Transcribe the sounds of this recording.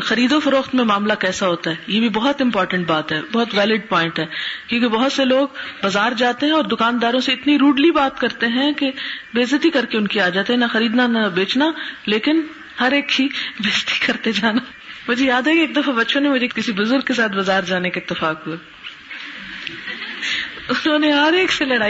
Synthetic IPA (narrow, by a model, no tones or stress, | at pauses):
xɐɾiːd̪ofɐɾoːxt̪mẽmaːmlakɛːsaɦoːt̪aɦɛːjeːbʱibɔɦʊt̪ɪ̃mpɔːɾʈə̃ɳʈ̚baːt̪ɦɛːbɔɦʊt̪ʋɛːlɪɖ̚pɔːɪ̃ɳʈɦɛːkjõːkebɐɦʊt̪seloːɡbɐzaːɾd͡ʒaːt̪eɦɛ̃ɔːɾd̪ʊkaːnd̪aːɾõseɪt̪niɾuːɖlibaːt̪kɐɾt̪eɦɛ̃kebeːzət̪ikɐɾkeʊnkiaːd͡ʒaːt̪iɦɛnɐxɐɾiːd̪nanɐbeːt͡ʃnaleːkɪn | hɐɾeːkːibeːzt̪i̥kɐɾt̪ed͡ʒaːna | mʊd͡ʒʱejaːd̪ɦɛkeːk̚d̪ɐfabɐtːʃʰõnĩmʊd͡ʒʱekɪsibʊzʊɾɡ̚kes̬aːt̪̚ʰbɐzaːɾd͡ʒaːnekaɪt̪ːɪfaːkɦue | ʊnɦõːneɦɐɾeːkselɐɽaː